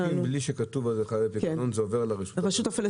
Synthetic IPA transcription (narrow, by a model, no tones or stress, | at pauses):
ibliʃekatuvalzeχaapiknonzeoveʁlaʁiʃu̥tʁaʃut̪afil